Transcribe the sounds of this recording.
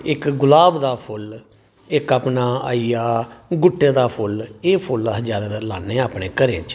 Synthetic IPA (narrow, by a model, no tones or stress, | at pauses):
ɪkɡʊlaːbd̪aːpʰʊl | ɪkaːpnaːa̰ːijaːɡʊʈːeːd̪aːpʰʊleːpʰʊlɦəd͡ʒaːd̪aːd̪əɾlaːnːeːaːpneːkəɾẽːt͡ʃ